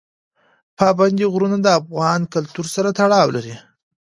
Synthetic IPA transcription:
pɑband̪iɣɾunad̪əafɣɑnkalt̪uɾsaɾat̪aɽɑwlaɾi

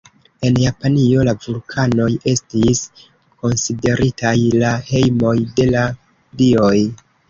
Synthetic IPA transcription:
e̞njapanio̞lavulkʰano̞je̞stis | ko̞nside̞ɾitajlahe̞jmo̞jde̞la | dio̞j

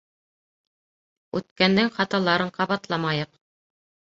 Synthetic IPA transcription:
ʉt̪kænd̪ɘŋχɑt̪ɑlˠɑɾɤɴqɑβɑt̪lˠɑmɑjɤq

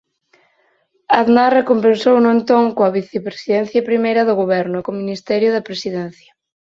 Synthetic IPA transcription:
aðnarekompensownʊent̪oŋkoɐβiθepɾe̥siðɛn̟θjɐpɾimejɾɐðʊɣoβɛɾnʊkominist̪ɛɾjʊðɐpɾesiðɛnθjɐ

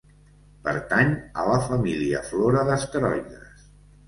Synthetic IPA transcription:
pə̰ɾt̪aɲələfəmiliəfloɾəðəst̪əɾɔʎəs

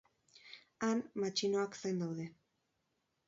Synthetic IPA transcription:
anmat͡ʃinoaksejnd̪awðe̞

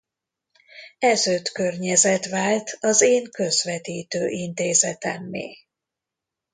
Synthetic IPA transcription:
ɛzøːt̪kørɲɛzɛt̪ʋaːlt̪ɒzeːŋkø̞zvɛt̪iːt̪øːʔint̪eːzɛt̪ɛ̰mːḛː

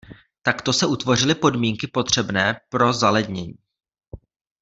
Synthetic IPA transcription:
t̪akt̪o̞sɛʔut̪vo̞r̝ɪlɪpo̞dmiːŋkɪpo̞t̪r̝̥ɛbnɛːpɾo̞zalɛd̪ɲɛɲiː

